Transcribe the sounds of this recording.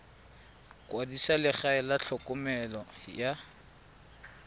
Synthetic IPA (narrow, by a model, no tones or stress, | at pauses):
kʼwadisalɪχaɪlaɬʰɔkʼʊmɛlɔja